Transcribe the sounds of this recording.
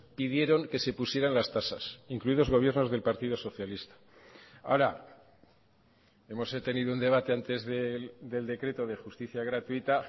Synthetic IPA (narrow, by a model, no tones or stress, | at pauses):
piðje̞ɾo̞ŋke̞se̞pusje̞ɾanlast̪asa̰siŋkluiðo̞zɣ̞o̞βje̞ɾno̞zðe̞lpaɾt̪iðo̞so̞θjalist̪ḁ | a̰oɾa | e̞mo̞set̪e̞niðound̪e̞β̞at̪e̞ant̪e̞zðed̪e̞ld̪e̞kɾe̞t̪o̞ðe̞xust̪iθjaɣɾat̪uit̪a